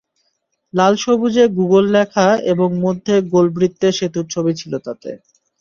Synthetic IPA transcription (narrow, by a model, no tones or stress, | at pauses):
lalʃobud͡ʑeɡuɡolːɛkʰaeboŋmod̪ʱːeɡolbɾit̪ːeʃet̪uɾt͡ɕʰobit͡ɕʰilot̪at̪ḛ